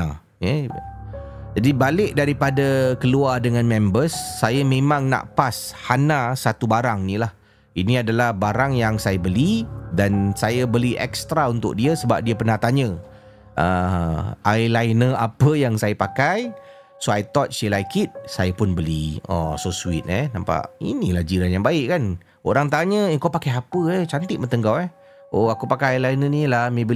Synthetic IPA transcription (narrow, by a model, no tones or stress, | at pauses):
a | jə | d͡ʒadibalɪʔ̚daɾipadakəluardəŋãnmɛ̃mbəsːajəmẽmãŋna̰ʔpashanasat̪ubaɾaŋnĩlah | iniadalahbaɾaŋjaŋsajəbəlidansajəbəliʔɛ̰k̚st̪ɾaunt̪ʊ̰k̚diəsəbap̚diəpərnaht̪aɲə | ʔə | ajlajnəapəjaŋsajəpakaj | soajt̪ɔt̪̚silajkʰɪt̪̚sajəpʊnbəlḭɔ̰sosuit̪̚ɛnampa̰ʔḭnilahd͡ʒiɾanjaŋbaɪʔkan | oɾaŋt̪aɲəkapakajapəɛt͡ʃant̪ɪʔ̚mənt̪əŋɡawɛh | oakupakajajlajnənilahmẽbə